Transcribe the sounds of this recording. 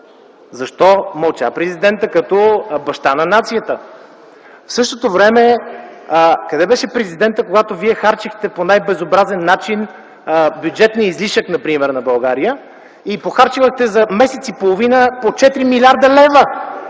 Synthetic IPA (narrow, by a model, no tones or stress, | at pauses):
zɐʃt̪ɔmɐlˠt͡ʃa̰pɾɛzid̪ɛnt̪əkɐt̪ɔbɐʃt̪anɐnat̪sijət̪ə | fsɤʃt̪ot̪ovɾɛmɛ | kɐd̪ɛbɛʃɛpɾɛzid̪ɛnt̪əkoɡat̪oviɛxaɾt͡ʃixt̪ɛponajbɛzobɾazɛnːat͡ʃin | bʲjud͡ʒɛt̪nʲiizliʃəknɐpɾimɛɾnɐbɐlˠɡaɾijə | ipoxaɾt͡ʃivəxt̪ɛzɐmɛsɛt̪sipolˠovinəpot͡ʃɛt̪ɾimilʲaɾd̪əlɛvə